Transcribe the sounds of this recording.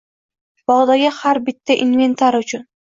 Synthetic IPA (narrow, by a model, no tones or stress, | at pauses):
b̥ɒʁd̪aɡʲahaɾbɪt̪ʰːaʔinve̞nt̪ʰaɾʊt͡ʃʰʊn